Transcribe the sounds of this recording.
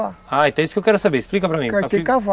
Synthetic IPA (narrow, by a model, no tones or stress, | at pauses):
aaẽt̪ɐ̃isʊ̥kewkɛɾʊsabeɾɪsplikɐpɾɐmĩkakikav